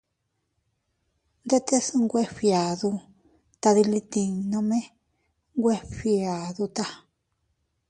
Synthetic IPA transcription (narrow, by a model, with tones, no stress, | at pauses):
nd̪e˦t̪e˦sɨ˧ŋɡʷe˦ɸja˨ðu˧ | t̪a˧ði˧li˧t̪i˧nõ˧mẽ˦ | ŋɡʷe˦ɸja˨ðu˧t̪a˧